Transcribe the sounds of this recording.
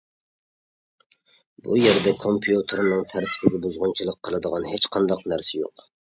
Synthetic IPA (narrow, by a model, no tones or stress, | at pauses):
bujeɾd̪ɛkʰompʰijut̪ʰɾnɨŋt̪ʰæɾt̪ʰɪ̥pʰɪɡʲɛbuzʁʊnt͡ʃʰilˠəqʰːəlˠɨd̪əʁɑnhet͡ʃqʰɑnd̪ɑqnæɾsɛjo̰q